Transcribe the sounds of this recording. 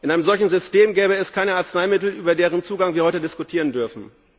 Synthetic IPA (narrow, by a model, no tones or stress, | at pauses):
ʔɪnʔaɪnəmzɔlçn̩zʏsteːmɡɛːbəɛskʰaɪnəaɐt͡snaɪmɪtl̩ʔyːbɐdeːʁənt͡suːɡaŋviɐhɔʏtədɪskʊtʰiːʁ̞əndʏɐfn̩